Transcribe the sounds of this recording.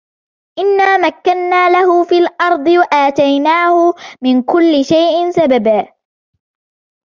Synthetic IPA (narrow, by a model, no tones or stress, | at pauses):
ʔɪnːaːmakːanːaːlahʊfiːlʔɑɾˤd̪ˤɨwaʔaːt̪ajnaːhʊmɪnkʊlːɪʃajʔɪnsababaː